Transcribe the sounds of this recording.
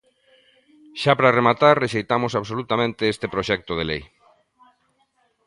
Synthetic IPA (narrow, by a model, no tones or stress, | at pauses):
ʃapɾaremat̪aɾreʃejt̪amosaβsolut̪amẽnt̪eest̪epɾoʃɛk̚t̪oð̞elej